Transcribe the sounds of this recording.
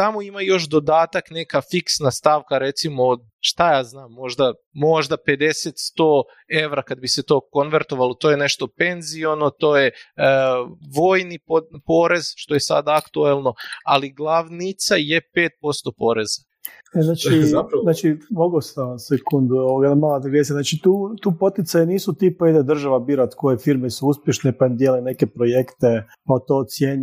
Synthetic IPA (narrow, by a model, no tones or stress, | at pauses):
t̪amo̞imajo̞ʃd̪o̞d̪aːt̪akne̞kafiksnast̪aʋkaɾe̞t̪simod̪ | ʃt̪ajaːznaːmːo̞ʒd̪a | mo̞ʒd̪ape̞d̪e̞set̪st̪oː | e̞ʋɾakad̪bise̞t̪o̞ːko̞nʋeɾt̪oʋalot̪ojene̞ʃt̪o̞pe̞nzio̞not̪oːje | ʋo̞ːjnipopoːɾe̞zʃt̪o̞je̞sa̰d̪aakt̪uelˠno̞a̰liɡlˠaʋnit̪sajepeːt̪̚po̞st̪o̞po̞ːɾeza | eznaːt͡ʃianaːt͡ʃimoɡost̪asekund̪uooɡalamaːlad̪ɡjest̪aznaːt͡ʃit̪uːt̪uːpo̞t̪it̪sajeniːsut̪iːpoid̪ed̪r̩ʒaʋabiɾat̪kojefiɾmesuuspʲjeʃnepad̪jeljune̞kepɾojekt̪e | pat̪oːt̪sjeːɲ